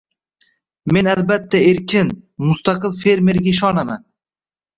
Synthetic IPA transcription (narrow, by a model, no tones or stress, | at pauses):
me̞nalbat̪ʰːaeɾkʲɪnmʊst̪ɑqɨlˠfe̞ɾme̞ɾɡʲaɪʃ̬ɒnaman